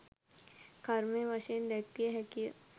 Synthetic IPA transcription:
kʰɐɾmẽʋɐʃeːnd̪eːk̚t̪iɦɛki

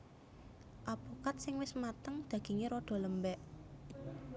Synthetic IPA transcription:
ʔapokat̪̚sɪŋwɪsmat̪əŋd̪̥ä̤ɡ̥e̤ŋeɾɔɖ̪̥ɔ̤ləmbɛʔ

